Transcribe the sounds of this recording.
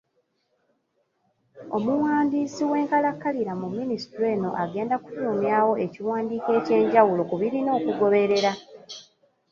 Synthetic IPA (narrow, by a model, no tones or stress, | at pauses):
o̞muwaːndiːsiwe̞ːŋkalakːaliɾamumːinistuɾe̞ːno̞̰ʔaɡe̞ːndaku̥tuːmjaːwo̞e̞ciwaːndiːke̞ːce̞ːɲɟawulo̞kuβiɾino̞ːkuɡo̞βe̞ɾe̞ɾa